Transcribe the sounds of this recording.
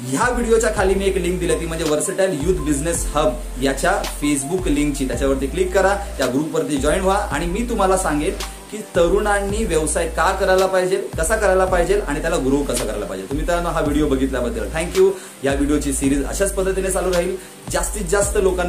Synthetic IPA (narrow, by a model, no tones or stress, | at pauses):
jaʋiɽijot͡ɕjakʰaliːmiːekliŋk̚d̪iljat̪iːm̤əɳd͡zeʋəɾsəʈajljuːt̪ʰbid͡zneshəb | jat͡ɕjafes̬bukliŋkt͡ɕiːt̪jat͡ɕaʋəɾt̪iːklikːəɾat̪jaɡɾuːpːəɾt̪iːd͡ʑɔiɳɦoaʔa̰ɽ̃imiːt̪um̤alasaŋɡet̪ | kiːt̪əɾuɳanːiːʋeʋsajkakəɾajlapaɦid͡ʑelkəsakəɾajlapaɦd͡ʑela̰ɽ̃it̪jalaɡɾokəsakəɾajlapa̰ɦid͡ʑelt̪um̤iːt̪anɦaʋiɽijobəɡʱit̪ljabəd̪ʱːəlt̪ʰɛ̃ŋkjuː | ɦjaʋiɽijot͡ɕiːsiɾiːd͡zə̰ɕat͡spət̪ɾət̪inet͡saluːɾaɦiːl | d͡zast̪iːt͡sd͡zast̪əlokãnː